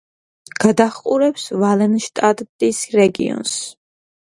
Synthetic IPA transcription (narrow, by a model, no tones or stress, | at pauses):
ɡ̥ad̪aχqʼuɾɛpsvalɛnʃt̪ʼat̪t̪ʼisɾɛɡḭɔ̰ns